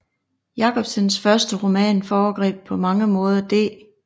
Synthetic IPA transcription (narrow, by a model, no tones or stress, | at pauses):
jɑ̈kʰɒ̽b̥sənsfɶɐsd̥əʁomɛ̰ːnfɒːɡ̥ʁɛ̰ːb̥̚pʰɒ̽mɑ̈ŋəmɔ̽ːð̞ˠɐd̥ḛː